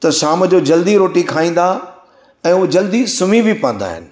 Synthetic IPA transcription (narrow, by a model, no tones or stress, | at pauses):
t̪ɐʃaːmd͡ʑoːd͡ʑɐld̪iɾoːʈikʰaːĩːn̆d̪a | ɛ̃ːud͡ʑɐld̪isʊmibʱɪpɐ̃ə̃n̆d̪a̰ːɦɪ̰nɪ̆